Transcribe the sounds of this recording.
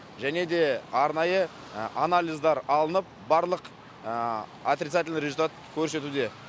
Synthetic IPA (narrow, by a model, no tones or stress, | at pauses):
ʒæne̞d̪e̞ɑɾnɑjə | analʲˠijzd̪ɑɾɑlˠənəp̚ | bɑɾlˠəq | at̪ɾʲɪt̪sat̪̬ʲɪlʲnɾezult̪at̪kʲʰɵɾse̞t̪ud̪e̞